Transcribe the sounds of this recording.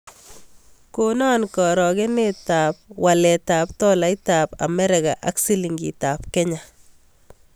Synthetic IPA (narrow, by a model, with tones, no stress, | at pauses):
ko˦nɔ˦nkɔ˨ɾɔ˨ke˦neta˨p̚wa˨lɛ˨taː˨p̚tɔ˦la˨˦ita˨pa̰˨mɛ˦ɾɪkaʔa˦ksi˦liŋɡḭ˨ta˨p̚kɛ˦ɲa